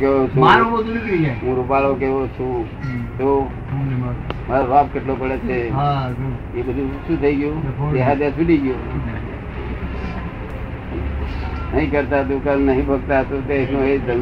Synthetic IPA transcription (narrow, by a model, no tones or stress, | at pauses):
keot͡ʃʰũmaɾõbəd̪ʱunikiɡaɦũɾupaɭokeʋot͡ʃʰũ | t̪o | maɾoʋapkeʈlopəɽet͡ʃʰeɦa | ebəd̪ʱũʃũt̪ʰəiɡjũueɦad̪jãsudiɡjo | nəɦĩkəɾt̪at̪ukəlnəɦĩbʱəɡ̚t̪aɦət̪ot̪eeknõed̪ʱən